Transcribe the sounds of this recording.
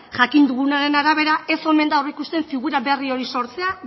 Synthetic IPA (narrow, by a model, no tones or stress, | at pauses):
ʝakind̪uɣunaɾe̞naɾaβ̞e̞ɾae̞so̞me̞nd̪awreikust̪e̞ɱfiɣuɾaβe̞rio̞ɾiso̞ɾt͡se̞a